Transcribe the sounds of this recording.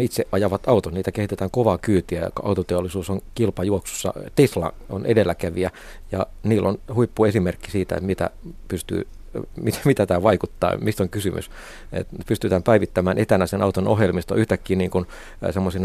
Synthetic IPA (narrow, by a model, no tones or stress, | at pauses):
it̪seʔɑjɑʋɑt̪ɑut̪onniːt̪ækehit̪et̪æːŋkoʋɑkyːt̪iæ̰kɑut̪ot̪eolːˑisuːsoŋkilpɑjuoksu̥sːɑ̰t̪eslɑ̰onʔedelːækæʋiæ | jɑ | niːlːʔonhuipːuesimerkːisiːt̪æ̰ḛt̪mit̪æ̰pyst̪y̰ː | mit̪mit̪æt̪æːʋɑikut̪ːɑ̰ːmist̪oŋkysymʔy̰s | ḛt̪pyst̪yt̪æːmpæiʋit̪ːæmæːnʔet̪ænæsenʔɑut̪onohjelmist̪o̰yht̪ækːiːnniːŋkun | semːosinɑ